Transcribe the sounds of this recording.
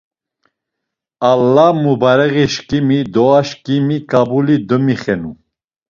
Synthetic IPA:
alːamubaɾɛɣiʃkʼimid̪ɔaʃkʼimikʼabulid̪əmiχɛnu

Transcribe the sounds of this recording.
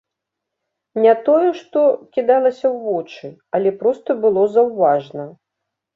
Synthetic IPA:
nʲat̪ɔjɛʂt̪ɔkʲid̪alˠɐsʲɐwvɔt͡ʂɨɐlʲɛpɾɔst̪ɐbɨlˠɔzɐwvaʐnɐ

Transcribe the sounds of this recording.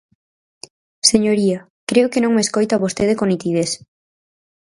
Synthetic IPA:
seɲoɾia | kɾeokenõŋmeskojt̪aβost̪eð̞ekonit̪ið̞es

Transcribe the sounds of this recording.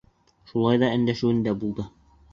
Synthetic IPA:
ʃulˠɑjðɑɘ̆nd̪æʃɘ̆wɘ̆nd̪æbulˠd̪ɤ

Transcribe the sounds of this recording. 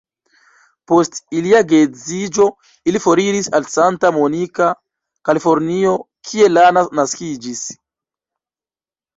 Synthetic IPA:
postiliaɡezid͡ʒo̞ | ilifoɾiɾisalsantamonika | kalifoɾnio̞ | kʰie̞lananaskid͡ʒis

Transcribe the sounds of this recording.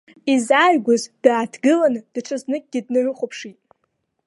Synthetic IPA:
izajɡʷʊzd̥aːdʰɡɨlanɨd̥ʈ͡ʂʷʰɨznɨk̚ʲʼɡʲɪdnɨrʷʊχʷopʰʂitʼ

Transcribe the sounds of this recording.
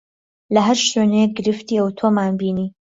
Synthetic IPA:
lɐɦɐɾʃenek̚ɡɨɾɨft̪iːəwt̪ʰomaːnbiːniː

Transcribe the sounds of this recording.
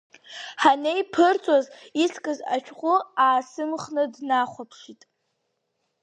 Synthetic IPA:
ħanejpʰɨrt͡sʼazisʰkʼɨza̰t͡ʃʷᶣʰqʷʼʊaːsɨmχnɨdnaχʷapʰʂitʼ

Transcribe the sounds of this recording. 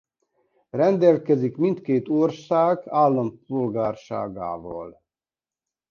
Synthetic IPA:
rɛnd̪ɛlkɛzikmint̪keːt̪orsaːɡaːlːɒmp̚ulɡaːrʃa̰ːɡa̰ːvɒ̰l

